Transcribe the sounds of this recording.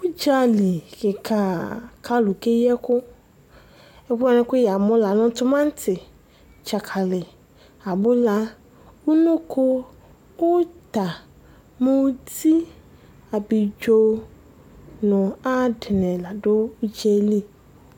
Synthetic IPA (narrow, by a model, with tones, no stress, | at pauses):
wʊ˦d͡ʒa˦li˨kɪ˨kʰa˨kʰa˦lʊ˨ke˦jɛ˦kʊ˦ | ɛ˦ba˦nʊ̃˦kʊ˦ja˨mʊ̃˦la˨nʊ̃˦tʊ˦mã˦n̩˦tʰɪ˨ | t͡ʃa˨kʰa˨lɪ˨ | a˨bʊ˦la˦ | wʊ˦nʊ̃˦kʰʊ˦ | wʊ˦t̪a˨ | mʊ̃˦wdi˦ | a˨bi˨d͡ʒo˦ | nʊ̃˨a˦dɪ˨nɛ̃˨la˨dʊ˦u˦d͡ʒɛ˦li˦